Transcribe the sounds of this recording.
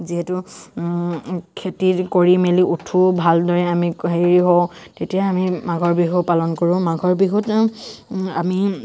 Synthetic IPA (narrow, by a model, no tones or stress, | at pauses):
ziɦetʊ | kʰetikoɹimeliʔutʰubʱaldɔɹɛamiɦeɹiɦowtetijaamimaɡʱɔɹbiɦupalɔnkoɹʊ̃maɡʱɔɹbiɦut | a̰mi